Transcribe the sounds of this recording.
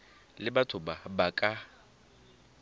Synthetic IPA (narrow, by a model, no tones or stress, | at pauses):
lɪbatʰʊbabakʼa